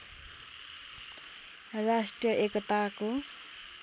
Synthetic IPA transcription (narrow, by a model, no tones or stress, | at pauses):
rasʈrjʌʔekʌt̪ako